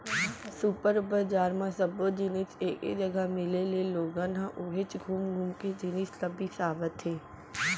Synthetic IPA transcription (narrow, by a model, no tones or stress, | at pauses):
supəɾbəd͡ʒaːɾmãsəbod͡ʒɪnɪsḛːkḛd͡ʒəɡamɪleleloːɡãnãʔʊɦɪt͡ʃɡʱuːmɡʱuːmked͡ʒɪnɪsləbisaːʋət̪ɦeː